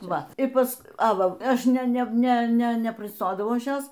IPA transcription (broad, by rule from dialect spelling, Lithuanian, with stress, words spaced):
ˈʋɐ ɪ ˈpɐs ɐ ˈʋɐ ˈɐʃ ˈnʲɛ ˈnʲɛ ˈnʲɛ nʲɛ nʲɛpʲrʲɪsˈtoːdɐʋɐʊ ˈɐʃ ˈjoːs